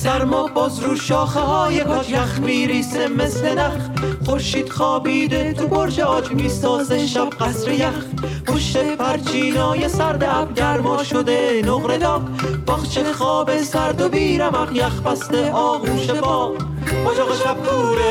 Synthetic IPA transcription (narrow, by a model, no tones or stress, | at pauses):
sæɾmɒbɒːzɾuːʃɒːχeɦɒːjekʰojæχmiːɾiːsemesled̪æχχoɾʃiːd̪̥χɒːbiːd̪et̪ʰubʰoɾʃeɒːd͡ʒmiːsɒːzeʃæb̚ɢæsɾejæχ | oʃepʰæɾt͡ʃʰiːnɒːjesæɾd̪eʔæbɡæɾmɒʃod̪enoqɾed̪ɒːkbæχt͡ʃʰeχɒːbesæɾd̪obiːɾæmæχjæxpæst̪eɒːɣuːʃebɒː | ɑd͡ʒɒːʁʃæb̚d̪uːɾe